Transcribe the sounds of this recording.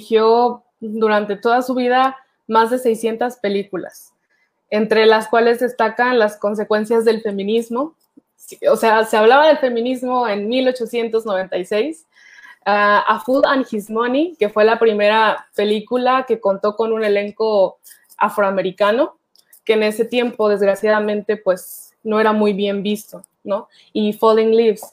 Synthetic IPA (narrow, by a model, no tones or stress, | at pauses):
xjo̞ | d̪uɾant̪e̞t̪o̞ðasuβ̞iða | mazðe̞se̞jsje̞nt̪aspe̞likula̰s | e̞nt̪ɾe̞laskwale̞zðe̞st̪akanlasko̞ns̬e̞kwe̞nsjazðe̞lfe̞mĩnizmo̞ | ose̞ase̞aβ̞laβaðe̞lfe̞mĩnizmo̞e̞nmilo̞t͡ʃo̞sje̞nt̪o̞zno̞β̞e̞nt̪ajse̞js | aafuðaŋxizmonike̞fwe̞lapɾime̞ɾape̞likulake̞ko̞nt̪o̞ko̞nũne̞le̞ŋko̞ | afɾoame̞ɾikano̞ | ke̞ːne̞se̞t̪je̞mpo̞ðe̞zɣɾasjaðamẽ̞nt̪e̞pwe̞s | no̞e̞ɾamujβje̞mbist̪o̞ | no̞ | ifoðiŋlivs